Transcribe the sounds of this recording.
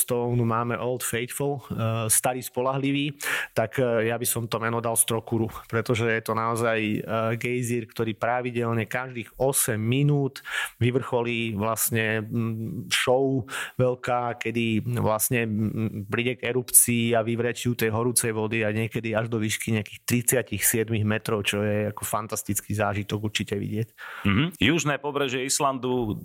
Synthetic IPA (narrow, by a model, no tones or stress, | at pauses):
st̪ɔnumaːmɛʔɔlt̪fɛjt̪fɔlst̪aɾiːspɔlaɦliʋiːt̪akjabisɔmt̪ɔmɛnɔd̪alst̪ɾɔkuɾupɾɛt̪ɔʒɛjɛt̪ɔnaɔzajɡɛjziɾkt̪ɔɾiːpɾaʋiɟɛlɲɛkaʒd̪iːxɔsɛmːinuːt̪ʋiʋr̩xɔliːʋlasɲɛ | ʃɔʊʋɛlkaːkɛd̪iʋlasɲɛpɾiɟɛɡɛɾupt͡siːaʋiʋɾɛt͡ʃiut̪ɛjɦɔɾuːt͡sɛjʋɔd̪iaɲɪɛkɛd̪iaʒd̪ɔʋiːʃkiɲɛakiːxt̪ɾit͡sɪacixsɪɛd̪miɣmɛt̪ɾɔʊt͡ʃɔjɛakɔfant̪ast̪it͡skizaːʒit̪ɔɡuɾt͡ʃicɛʋḭɟɪɛcm̩ɦ̩juʒnɛːpɔbɾɛʒɪɛisland̪u